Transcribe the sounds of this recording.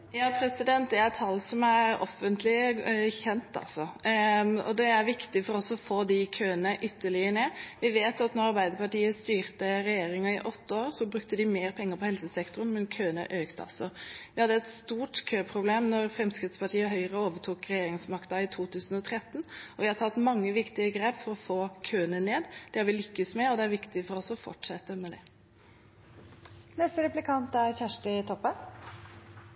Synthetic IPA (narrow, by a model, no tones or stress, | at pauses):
jɑːpʰɾɛsɪd̪ɛnt̪̚d̪ɛæɾt̪ʰɑlːsɔmæɾɔ̰fənt̪lɪçɛnt̪ɑ̰lsɔ | ɔ̰d̪ɛæɾʋɪkt̪ɪfɔɾɔsɔfoːd̪ɪkʰøːənəʔʏt̪ːəɭɪəɳeːʋɪʋeːt̪ʊɑt̪nɔɾɑɾbæɪd̪əɾpɑʈiːəst̪yːɾt̪əɾɛjeːɾɪŋɑɪʔɔt̪ːəoːɾsɔbɾʉk̚t̪əd̪ɪmeːɾpʰɛŋːəɾpʰɔhɛlsəsɛkt̪ɾʊnmɛnkʰøːənə̰ʔøːkt̪əɑ̰lsɔʋɪhɑd̪ːəɛt̪st̪uːʈkʰøːpʰɾʊbleːmnɔɾfɾɛmskɾɪt̪spɑʈʰiːəɦœʏəɾəoːʋəʈʰuːkɾɛjeːɾɪŋsmɑkt̪ɑɪt̪ʰuːt̪ʰʉːsn̩ɔt̪ʰɾɛt̪ːnɔʋɪhɑt̪ʰɑt̪ːmɑŋːəʋɪkt̪ɪəɡɾeːpfɔɾɔfoːkʰøːnəneːd̪d̪̥ɛhɑɾʋɪlʏkːəsmɛɔd̪ɛæɾʋɪkt̪ɪfɔɾɔsɔfɔ̰ʈʂɛt̪ːəmɛd̪ɛ | nɛst̪əɾɛplɪkʰɑnt̪æɾçæʂʈəɪt̪ʰɔpːən